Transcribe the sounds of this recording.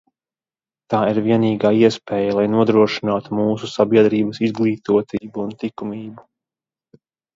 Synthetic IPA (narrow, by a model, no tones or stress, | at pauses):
t̪aːiɾviɛniːɡaːiɛspʲɛːjalˠajnuɔd̪ɾuɔʃinaːt̪umuːsusabiɛd̪ɾiːbɐsizɡlˠiːt̪uɔt̪iːbuːnt̪ikumiːbu